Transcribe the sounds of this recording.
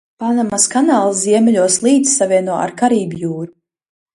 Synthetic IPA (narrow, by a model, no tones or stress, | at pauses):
panamaskanaːlˠsziɛmʲɛʎʲuɔslˠiːd̪zsavʲiɛnuɔa̰ɾkaɾiːbjuːɾu